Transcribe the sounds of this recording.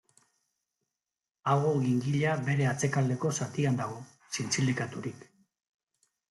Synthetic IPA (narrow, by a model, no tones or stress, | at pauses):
aɣo̞ɣiŋɡiʎabe̞ɾe̞at͡se̞kald̪e̞ko̞sat̪iand̪aɣ̞o̞ | sint͡silikat̪uɾik